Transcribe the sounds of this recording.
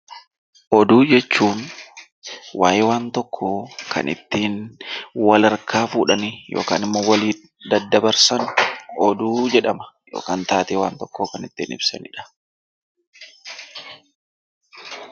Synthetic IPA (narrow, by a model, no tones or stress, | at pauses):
ʔɔd̪uːd͡ʒɛt͡ʃːuːn | wa̰ːjɪwaːnt̪ɔkʰːoːkʰɐ̰nɪ̰t̪ːiːnwɐlɐɾkʰaːfuːᶑɐnɪjʔo̰ːka̰ːnɪmːoːwɐliː | d̪ɐd̪ːɐbɐɾsɐnʊɔd̪uːd͡ʒɛᶑɐmɐ̥jo̰ːkaːnt̪aːt̪eːwaːnt̪ɔkːoːkɐnɪt̪ːiːnɪ̰bsɐ̰nɪᶑɐ̥